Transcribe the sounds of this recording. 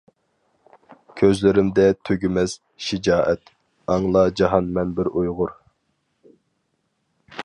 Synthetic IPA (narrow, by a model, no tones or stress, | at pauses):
kʲʰøzlɪɾɪmd̪ɛt̪ʰøɡʲɪmɛz̥ | ʃɪd͡ʒɑːʔɛt̪ | ɑŋlˠɑd͡ʒɑɦɑnmɛnbɪɾujʁʊɾ